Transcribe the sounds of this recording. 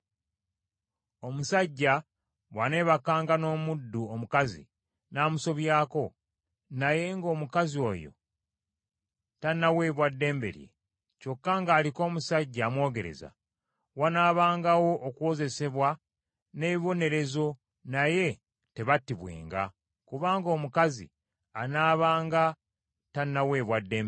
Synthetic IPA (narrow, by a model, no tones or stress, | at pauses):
o̞musaɟːa | βwane̞βakːaːŋɡano̞ːmudːuomukazḭ | naːmuso̞βjaːko̞ | naje̞ŋɡo̞ːmukazio̞̰ːjo̞̰ | tanːawe̞ːβwadːe̞ːmbe̞̰ɾje̞̰ | co̞kːaŋɡaːliko̞ːmusaɟːamwo̞ːɡe̞ɾe̞̰za̰ | wanaːβaːŋɡawo̞ʔːkuwo̞ze̞se̞βwa | neːβiβo̞ne̞ɾe̞zo̞ | naje̞ | te̞βatːiβwḛːŋɡa̰ | kuβaːŋɡo̞ːmukazḭ | anaːβaːŋɡa | tanːawe̞βwadːe̞ːm